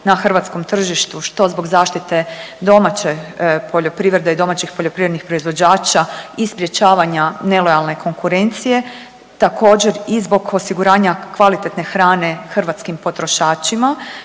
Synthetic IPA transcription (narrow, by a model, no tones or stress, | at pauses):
naxr̩ʋat̪sko̞mt̪r̩ʒiʃt̪uʃt̪o̞zbo̞ɡzaːʃt̪it̪e̞ | d̪o̞mat͡ɕepʰo̞ʎo̞pɾiːʋɾed̪eid̪o̞mat͡ɕixpo̞ʎo̞pɾiːʋɾed̪nixpɾo̞izʋo̞d͡ʑaːt͡ʃaispɾje̞t͡ɕaːʋaɲane̞lo̞jalˠne̞kʰo̞ŋkuɾe̞nt̪sije̞ | t̪ako̞ːd͡ʑe̞ɾizbo̞ɡo̞siɡuɾaːɲakʋalit̪et̪ne̞xɾaːne̞xrʋat̪skimpo̞t̪ɾo̞ʃaːt͡ʃima